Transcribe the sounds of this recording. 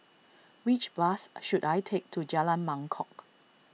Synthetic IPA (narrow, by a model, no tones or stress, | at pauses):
wit͡ʃbasʃudajtʰek̚tʰud͡ʒalãnmãŋkʰɔk